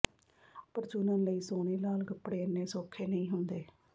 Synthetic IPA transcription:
pəɾd͡ʒʊnãːnləiːsoːɽeːlaːlɡəpːɽeːənːeːsoːkʰːeːnəĩːɦʊnd̪eː

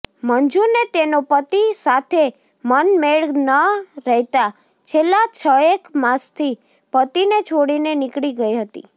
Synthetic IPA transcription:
mənd͡ʒuɾnet̪enopət̪isat̪ʰe | mənmeɭnəɾəɦt̪a | t͡ʃʰelːat͡ʃʰəekmãst̪ʰi | pət̪inet͡ʃʰoɽinenɪkɽiɡəiɦət̪ḭ

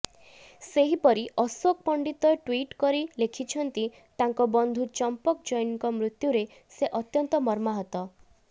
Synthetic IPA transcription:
seɦipɔɾiʔɔsok̚pɔɳɖit̪ɔeʈwiʈkɔɾilekʰit͡ʃʰɔnt̪i | t̪aŋkɔbɔnd̪ʱut͡ʃɔmpɔkd͡ʒɔjniŋkɔmɾut̪juɾe | seʔɔt̪jɔnt̪ɔmɔɾmaɦɔt̪ɔ

